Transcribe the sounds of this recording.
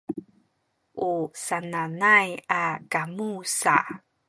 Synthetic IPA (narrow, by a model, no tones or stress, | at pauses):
ʔusananajakamusa̰